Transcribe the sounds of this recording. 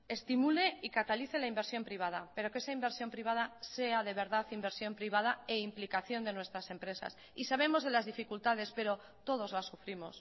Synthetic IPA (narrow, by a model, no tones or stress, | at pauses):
e̞st̪imule̞ikat̪aliθe̞laimbe̞ɾsjo̞mpɾiβ̞að̞ape̞ɾo̞ke̞saimbe̞ɾsjo̞mpɾiβ̞aðase̞aðe̞β̞e̞ɾðaθimbe̞ɾsjompɾiβ̞að̞aeimplikaθjo̞nd̪e̞nwest̪ɾase̞mpɾe̞sa̰s | isaβ̞e̞mo̞zðe̞lazðifikult̪aðe̞spe̞ɾo̞ | t̪o̞ðo̞zlasufɾimo̞s